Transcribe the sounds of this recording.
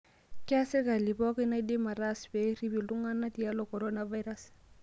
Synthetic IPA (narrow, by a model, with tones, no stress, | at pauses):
ka˦sɪ˦ka˨li˨pɔ˦ki˦na˦di˦ma˨ɾa˦sbɛ˨˦ɾi˦bi˨lu˦ŋa˦na˦ti˨a˦lo˨kɔ˨ɾo˦na˨va˦jɾa˦s